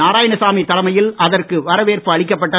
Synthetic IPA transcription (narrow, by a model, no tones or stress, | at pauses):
aːɾaːjɐɳɐsaːmit̪ːɐlɐmɐjɪlɐðɐrkɯʋɐɾɐʋeːrpɯɐɭɪk̬ːɐpːɐʈːɐ